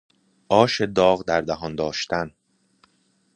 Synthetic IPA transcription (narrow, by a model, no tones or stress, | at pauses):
ʔɒːʃed̪ɒːɣd̪æɾd̪æɦɒnd̪ɒːʃt̪ʰæn